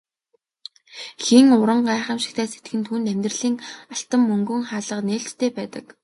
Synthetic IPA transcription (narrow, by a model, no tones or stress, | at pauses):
xiŋʊɾə̆ɴɢaːχə̆mʃi̥xt̪ʰæːset̪ɡɘ̆nt̪ʰuːnt̪æmʲt̪rə̆ɮiːŋaɬt̪ə̆mːɵŋɡɵ̆ŋχaːɮə̆qneːɬt̪ːʰeːpæːt̪ə̆k